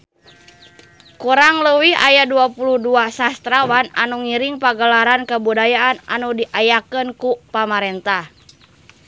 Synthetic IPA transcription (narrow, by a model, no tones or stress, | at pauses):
kuɾaŋləwiɦa̰jaduapuluhduasast̪ɾawana̰nuŋiɾiŋpaɡəlaɾankəbudajaʔːna̰nudiʔajakənkupamaɾɛnt̪ah